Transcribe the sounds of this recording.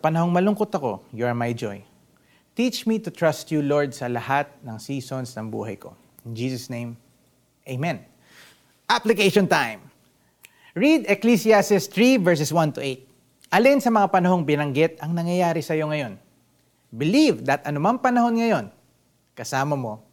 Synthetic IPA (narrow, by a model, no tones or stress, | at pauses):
sɐpɐnɐho̞ŋmɐlʊŋkot̪ɐko̞̰juɐɹmɐjd͡ʒo̰j | t̪it͡ʃmit̪ʊt̪ɹast̪juloɹd̪̚sɐlɐhat̪̚nɐŋsiːsonsnɐŋbṵːɦɐ̰jko̞̰ | nd͡ʒisɐsnẽj̃m | ʔejmɛ̃n | ʔaplɪkeʃɔnt̪ãjm | ɹid̪ɛklisiasɪst̪ɹivɛɹs̬ɛswɐnt̪ʊʔejt̪̚ | ʔɐlinsɐmɐŋapɐnɐɦo̞ŋbɪnɐŋɡɪt̪̚ɐŋnɐŋjɐjaːɾɪsɐjo̞ŋɐjo̞n | bɪlivd̪ɐt̪ʔɐnʊmɐŋpɐnɐho̞nŋɐjo̞n | kɐsaːmɐmo̞